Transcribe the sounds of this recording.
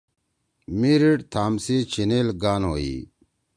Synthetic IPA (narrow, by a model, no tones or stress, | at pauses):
miɾiʈt̪ʰaːmsit͡ɕʰineːlɡaːnɦoːḭː